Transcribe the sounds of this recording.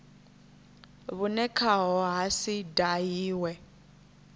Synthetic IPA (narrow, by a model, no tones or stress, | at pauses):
βunɛkʰaɦɔɦasidajiːwɛ